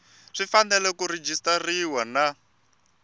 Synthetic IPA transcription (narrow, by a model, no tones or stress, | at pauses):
ʂifandɛlɛkuɾed͡ʒistariwana